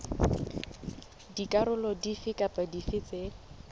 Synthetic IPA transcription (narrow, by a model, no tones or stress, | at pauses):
dikʼaɾʊlɔdifɪkʼapʼadifɪt͡sʼɪ